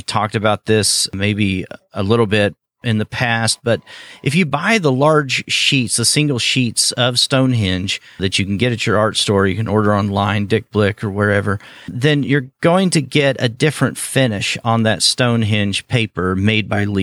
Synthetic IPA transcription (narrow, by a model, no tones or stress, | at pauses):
tʰɔk̚tɨbaʊt̪̚ðɪsmeɪbiəlɪɾl̩ˠbɪɾ | ʔɨ̃nðɨpʰæst̚b̥ʌɾʔɨfjɨbaɪðəlɑɹd̥ʒ̥ʃitsðəsɪ̃ŋɡl̩ˠʃitsʌv̥stõʊ̃nɦɪ̃nʒ̥ðɨt͡ʃɨkn̩ɡɛɾɨt͡ʃə˞ɑɹtstɔɹjɨkɨ̃nʔɔɹɾə˞ɑ̃nlãɪ̃ndɪk̚b̥lɪkə˞wə˞ɛvə˞ðɨ̃njə˞ɡ̥oʊɪ̃ŋtʰɨɡɛɾɨ̰dɪfɹɨ̃ntfɪnɪʃn̩ðɨtstõʊ̃nɦɪ̃nʒ̥pʰeɪpə˞meɪd̚baɪli